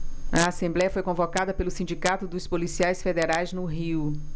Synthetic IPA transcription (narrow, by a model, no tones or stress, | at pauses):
ɐasẽmblɛjɐfojkõvokad̪ɐpelʊsĩnd͡ʒikat̪ʊd̪ʊspolisiajsfed̪eɾajznʊɦiw